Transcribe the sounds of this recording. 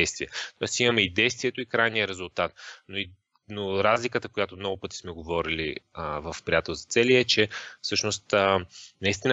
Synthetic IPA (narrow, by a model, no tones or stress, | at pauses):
ɛjst̪viət̪ɔɛsimɐmɛid̪ɛjst̪viɛt̪oikɾajnijəɾɛzʊlˠt̪at̪noi | noɾazlikət̪əkojat̪omnɔɡʊpɤt̪i̥smɛɡovɔɾilivəfpɾijat̪ɛlˠzɐt̪sɛliɛt͡ʃɛfsɤʃnost̪ənɐist̪inə